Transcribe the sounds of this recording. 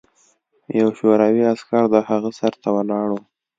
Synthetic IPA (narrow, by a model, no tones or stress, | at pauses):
jawʃoɾɑwiaskɑɾd̪əhaɣəsaɾt̪awəlɑɽu